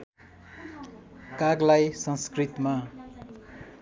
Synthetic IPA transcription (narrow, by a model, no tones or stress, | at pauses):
kaɡlajsʌnskrit̪ma